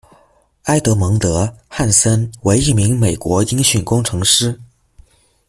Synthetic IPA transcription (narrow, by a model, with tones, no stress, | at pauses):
a˥ɪt̪ɤ˧˥mɤ˧˥ŋt̪ɤ˧˥xa˥˩nsə˥nwe˧˥ɪi˥˩mi˧˥ŋme˨˩ɪkwɔ˧˥i˥ŋɕy˥˩nkʊ˥ŋʈ͡ʂʰɤ˧˥ŋʂɻ̩˥